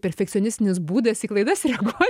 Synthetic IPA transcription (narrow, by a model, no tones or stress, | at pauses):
pʲɛɾʲfʲɛkt̪sʲɔnʲɪsʲt̪ʲɪnʲɪsbuːd̪ɐsiːklˠɐɪd̪ɐsɾʲɛɡo